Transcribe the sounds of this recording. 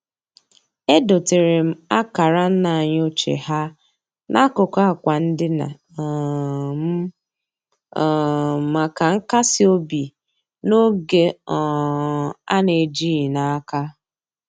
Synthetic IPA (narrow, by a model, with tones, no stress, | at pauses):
e˦do˨te˨ɾɪ˨m̩˦a˦ka˨ɾa˦n̩˦na˨a˨ɲ˦o˦t͡ʃḛ˨ha˦ | nʔa˦kʊ˨ka˦a˨kʷa˨n̩˦dɪ˦na̰˨ | m̩˦˨ | ma˨ka˨ŋ̩˦ka˦sɪ˦o˦bi˨ | no˦ɡe˦ɔ˨ | a̰˦ne˨d͡ʒi˦i˨na˨a˦ka˦